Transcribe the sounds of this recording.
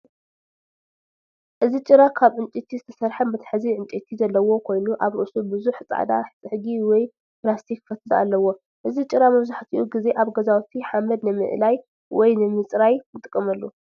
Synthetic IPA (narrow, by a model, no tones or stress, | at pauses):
ʔɨzit͡ʃʼɨɾakʰaβʕɨnt͡ʃʼit̪ʰizɨt̪ʰɐsɐɾħɐmbɐt̪ʰɐ̥ħɨziʕɨnt͡ʃʼit̪ʰizɐlːɐwo̞kʰo̞jnuʔaβɾɨ̰ʔsubɨzuħt͡sʼa̰d̪a̰ħɨt͡sʼɨħɨɡiwɔj | plast̪ʰikfɐt̪ʰɨlaa̰lːɐwo̞ | ʔɨzit͡ʃʼɨɾamɐβzaħt̪ʰḭʔuɡize̞ʔaβɡɐzawt̪ʰiħamɐd̪nɨmɨ̰ʔlaj | wɔjnɨmɨt͡sʼɾajnɨt̪ʼɨkʼːɐmɐlːu